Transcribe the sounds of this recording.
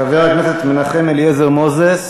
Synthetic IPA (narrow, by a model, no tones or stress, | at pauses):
aveʁaɡmeset̪menaχemeljezeʁmozes